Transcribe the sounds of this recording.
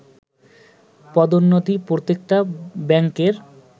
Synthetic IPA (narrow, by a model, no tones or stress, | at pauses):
pɔd̪onːod̪ʱipɾot̪ːek̚ʈabɛŋkeɾ